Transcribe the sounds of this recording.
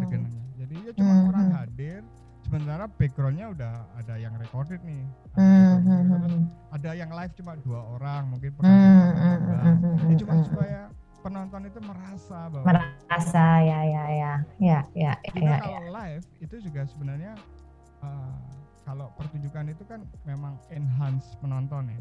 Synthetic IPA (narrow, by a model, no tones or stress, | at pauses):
səɡənaɲad͡ʒadijat͡ʃumaoɾaŋɦadɪr | səmənt̪aɾapeɡɾɔlɲaudahadajaŋrekɔrdɛt̪̚nɪm̩ | adajaŋlaɪft͡ʃumaduaoɾaŋmuŋkɪnpəm̩ | t͡ʃumsuaja | pənɔnt̪ɔnit̪uməɾasabawməɾasajajajajajaja̰jakaja̰lafit̪ud͡ʒuɡasəbənarɲa | əkalopərt̪uɲd͡ʒukanit̪ukanmemaŋɛnɦanspənɔnt̪ɔnɪ